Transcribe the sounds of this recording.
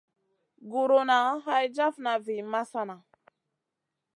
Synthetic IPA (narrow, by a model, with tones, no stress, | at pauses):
ɡu˨ɾo˨na˨˦ɦa˦jd͡ʒa˦fna˨vi˨ma˦sa˦na˨